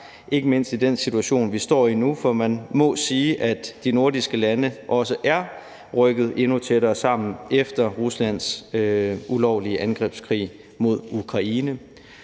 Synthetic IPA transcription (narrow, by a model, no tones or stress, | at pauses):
ʔe̝ɡ̥əme̝n̰sd̥id̥en̰sit͡sʰuæɕo̝̰ːnʋisd̥ɒ̰ːinufɒ̽mænmɒ̽siːʔæd̥ːino̝ɐdisɡ̥əlænəʔɒ̽s̬əʔæɐ | ʁœɡ̥ð̩ˠʔe̝nut͡sʰeɾɐːsɑ̈m̰n̩efd̥ɐʁuslæn̰søulɒʊ̰liəʔænɡ̥ʁɛ̰ːb̥skʰʁḭː | mo̝ð̞ˠukʰʁɑ̈iːnə